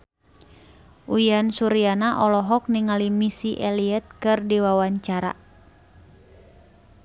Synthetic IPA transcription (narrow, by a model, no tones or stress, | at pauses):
ʔujansuɾianaʔɔlɔɦɔk̚niŋalimisiʔɛliɛt̪̚kɨrdiwawaɲt͡ʃaɾa̰